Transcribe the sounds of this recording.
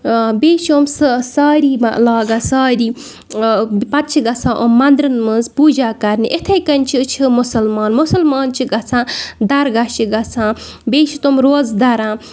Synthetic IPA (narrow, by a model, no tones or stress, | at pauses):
beːʃomssaːɾiːmalaːɡasaːɾiː | pɐt̪̚t͡ʃʰiɡɐt͡sʰãːʔommːɐnd̪ɾɐnmɨnzpuːd͡ʒaːkɐɾniʔet̪ʰɐjkɐnʲt͡ʃʰit͡ʃʰimʊsɐlmaːnmʊsɐlmaːnt͡ʃʰiɡɐt͡sʰãːd̪ɐɾɡɐʃiɡɐt͡sʰãːbeːʃit̪omɾoːzd̪ɐɾãː